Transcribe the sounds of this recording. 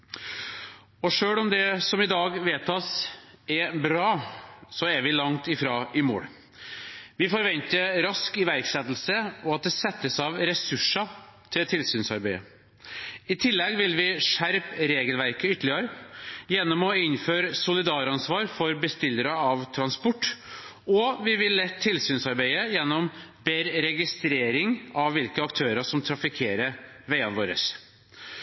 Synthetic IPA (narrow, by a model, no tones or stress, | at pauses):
ɔʂøːɽɔmd̪ɛsɔmɪd̪ɑːɡʋeːt̪ʰɑːsɛbɾɑːsɔæɾʋɪlɑŋt̪ɪfɾɑːɪmo̰ːɽ | ʋɪfɔɾʋɛnt̪əɾɑskɪʋæɾksɛt̪l̩səɔɑt̪̚d̪ɛsɛt̪ːəsɑʋɾɛsʉʂɑt̪ʰɪlt̪ʰɪlsyːnsɑ̰ɾbeɪə̰ | ɪt̪ʰɪlːɛɡʋɪlʋɪʂæɾpɾeːɡəlʋæɾkəʏt̪əlɪəɾəjɛnːɔmɔɪnføːɾəsʊlɪd̪ɑːɾɑnsʋɑːɾfɔɾbəst̪ɪlːəɾəɑʋt̪ʰɾɑnspɔʈː | ɔʋɪʋɪlːɛt̪ʰːɪlsyːnsɑɾbeɪəjɛnːɔmbeːɾɾɛɡɪst̪ɾeːɾɪŋɑʋʋɪlkəɑkt̪ʰøːɾəʂɔmt̪ʰɾɑfɪkʰeːɾəʋeɪɑnʋoːɾə̰s